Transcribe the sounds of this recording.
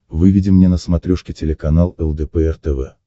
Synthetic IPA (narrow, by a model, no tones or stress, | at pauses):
vɨvʲɪdʲɪmnʲenəsmɐt̪ɾʲoʂkʲɪtʲɪlʲɪkɐnalˠɛlˠd̪ɛpɛɛrt̪ɛvɛ̰